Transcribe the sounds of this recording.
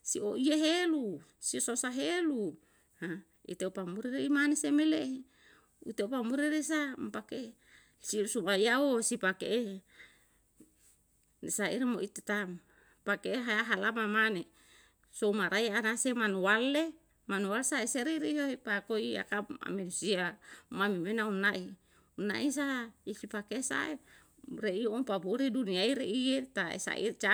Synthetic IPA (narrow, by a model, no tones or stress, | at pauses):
sioʔieɦelu | siososaɦelu | ha | ḭt̪eopamuɾiɾeimanesemele | ṵt̪eopamuɾiɾesampake | siusumajaosipakeʔe | nesaiɾmoʔit̪et̪am | pakeeɦaaɦalamamane | soumaɾajanasemanuale | manualsaeseɾiɾijoipakoia̰kaa̰menusiamamimenaunaʔi | una̰ʔis̬asipakesa̰e | reiopabuɾiduniaiɾeijet̪aḛsa̰ʔḭrt͡ʃa